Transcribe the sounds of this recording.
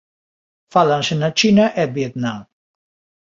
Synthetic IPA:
falansenat͡ʃinaʔebjet̪nam

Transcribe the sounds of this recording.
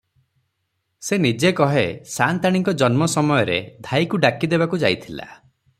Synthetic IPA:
senid͡ʒekɔɦesant̪aɽ̃iŋkɔd͡ʒɔnmɔsɔmɔjɔɾḛd̪ʱajkuɖakid̪ebakud͡ʒajt̪ʰila̰

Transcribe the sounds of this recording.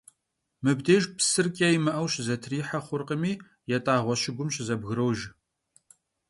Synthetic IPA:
mɨbdeːʒpʰsɨrkʼɐjimɨʔɐwɕzɐtʰriːħɐχʷʊrqəmiː | jɛtʼaːʁʷɔɕɪɡʷʊmɕzɐbɣɨɾɐwʒ

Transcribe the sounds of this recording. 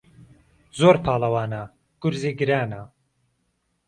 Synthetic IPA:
zoːɾpʰaːlɐwaːna | ɡ̥uɾziːɡɨɾaːna

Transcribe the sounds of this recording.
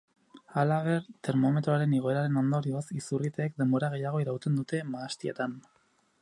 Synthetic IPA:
alaβ̞e̞ɾt̪e̞ɾmo̞me̞t̪ɾoaɾe̞niɣ̞o̞e̞ɾaɾe̞no̞nd̪o̞ɾiosisurit̪eːkd̪e̞mbo̞ɾaɣ̞e̞jaɣ̞o̞iɾawt̪e̞nd̪ut̪e̞maːst̪ie̞̰t̪an

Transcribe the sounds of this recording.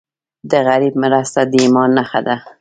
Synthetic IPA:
d̪əɣaɾib̚mɪɾast̪ad̪əimɑnːaxad̪a

